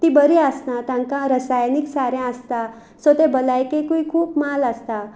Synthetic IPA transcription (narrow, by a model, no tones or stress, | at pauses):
t̪ibəɾiəsnat̪jãŋkãɾəsajniksaɾɛ̃əst̪a | sot̪ebəlajkekujkʰuːpmalast̪a